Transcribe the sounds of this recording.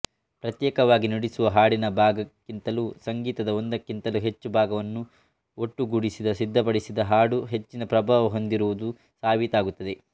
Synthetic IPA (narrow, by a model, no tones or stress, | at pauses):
pɾɐt̪jɛːkɐʋaːɡiniɽisuʋɐɦaːɽinɐbʱaːɡɐkːint̪ɐlusɐŋɡiːt̪ɐd̪ɐo̞nd̪ɐkːint̪ɐluɦe̞t͡ʃːubʱaːɡɐʋɐnːu | oʈːuɡuɽisid̪ɐsid̪ʱːɐp̬ɐɽisid̪ɐɦaːɽuɦe̞t͡ʃːinɐpɾɐbaːʋɐɦo̞nd̪iɾuʋud̪u | saːʋit̪aːɡut̪ːɐd̪e̞